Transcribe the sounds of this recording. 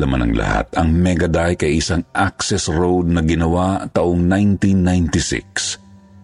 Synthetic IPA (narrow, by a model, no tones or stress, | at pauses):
lɐma̰nɐ̰ŋlɐ̰ha̰t̪ɐŋmɛɡɐd̪ajkɐjɪsaŋʔak̚sɛsɹowd̪̚nɐɡɪnɐwat̪ɐʔoŋnajnt̪inːajnt̪ɪsɪ̰k̚s